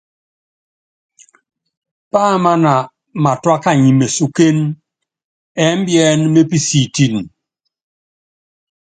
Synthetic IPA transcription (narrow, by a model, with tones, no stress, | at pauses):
pa˦˨ma˦na˨ | ma˨twa˦ka˦ɲi˨me˨su˨ke˦n | ɛ˨˦m˦bjɛ˦nme˦pi˦si˨ti˦n˨